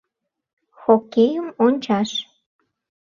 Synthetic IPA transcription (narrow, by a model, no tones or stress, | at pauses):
xokʲejəmonʲt͡ɕɑʃ